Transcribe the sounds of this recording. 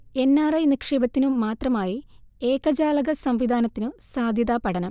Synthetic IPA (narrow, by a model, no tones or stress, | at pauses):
e̞nːaːrɐjnikʂeːbɐt̪ːinumaːt̪rɐmaːjieːkɐd͡ʑaːlɐɣɐsɐmʋid̪ʱaːnɐt̪ːinusaːd̪ʱjɐd̪aːpɐɽɐnɐm